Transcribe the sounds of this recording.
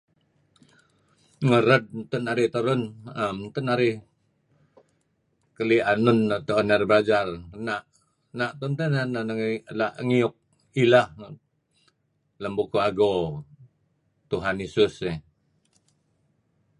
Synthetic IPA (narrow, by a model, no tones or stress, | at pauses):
ŋəɾəd̪̚nt̪ənaɾɪht̪əɾʊnəmnt̪ənaɾɪh | kəlianunət̪əonərbəɾad͡ʒarnaʔ | naʔt̪unt̪ənanənəŋlaʔŋiʊk̚ | ilah | ləmbukuaɡo | t̪uɦanisʊsɛ